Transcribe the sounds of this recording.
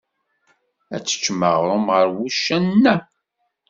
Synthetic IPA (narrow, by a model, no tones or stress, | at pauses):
æ̰t͡sːə̥t͡ʃːməʁɾˤʊmʁəɾwuʃːænːæ